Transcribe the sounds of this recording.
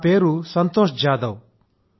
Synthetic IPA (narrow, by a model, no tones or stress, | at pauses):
peːɾusɐnt̪oːʃd͡ʒaːd̪ɐw